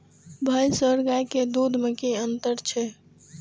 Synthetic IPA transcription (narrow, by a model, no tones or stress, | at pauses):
bʱajsəɾɡajked̪ud̪ʱmekiənt̪əɾt͡ʃʰɛ